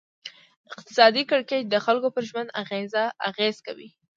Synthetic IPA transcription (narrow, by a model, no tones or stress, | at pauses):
ɪq̚t̪ɪ̥sɑd̪ikɪɽket͡ʃ̚d̪əxalkopəɾʒmənd̪aɣezaaɣez̥kawḭ